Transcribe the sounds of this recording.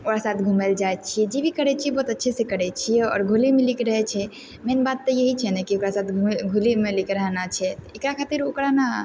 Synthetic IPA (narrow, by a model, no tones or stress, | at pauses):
okɾasaːt̪ʰɡʱumeld͡ʒaet̪t͡ʃʰiɛd͡ʒebʱikəɾɛt͡ʃʰiɛbɔːut̪ətːʃʰesekəɾɛt͡ʃʰijɛɔ̰ːɾɡʱulimẽlikɾəɦɛt͡ʃʰɛ | menbad̪̚t̪ːəjəɦit͡ʃʰɛnɛkiokɾasaːt̪ʰɡʱulimẽlikɾəɦnat͡ʃʰɛt̪ekɾakʰaːt̪iɾokɾana